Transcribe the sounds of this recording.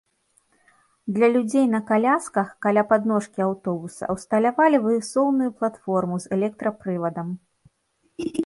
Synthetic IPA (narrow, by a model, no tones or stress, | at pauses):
d̪lʲɐlʲud͡zʲejnɐkalʲaskɐxkalʲapad̪nɔʂkʲiawt̪ɔbusɐ̰wst̪ɐlʲavalʲivɨɨsɔwnujuplˠat̪fɔrmuzɛlʲɛk̚t̪ɾɐpɾɨvɐd̪ɐm